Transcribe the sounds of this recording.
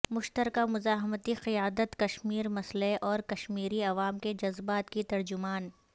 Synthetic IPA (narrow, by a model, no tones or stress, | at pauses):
mʊʃt̪əɾkamʊzaːɦmət̪iqɪjaːd̪ət̪kɐʃmiːɾmɐsleʔɔːɾkɐʃmiːɾiɐʋaːmked͡ʒɐzbaːt̪kit̪ɐɾd͡ʒʊmaːn